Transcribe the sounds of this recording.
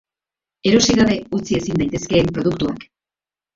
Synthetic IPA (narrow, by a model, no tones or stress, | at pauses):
e̞ɾo̞siɣaβe̞ut͡sie̞sind̪ajt̪e̞ske̞ːmpɾo̞ð̞ukt̪uak